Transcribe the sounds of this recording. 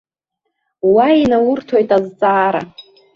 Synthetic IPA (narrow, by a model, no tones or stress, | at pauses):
wainawʊrtʰojtʼazt͡sʼaːɾa̰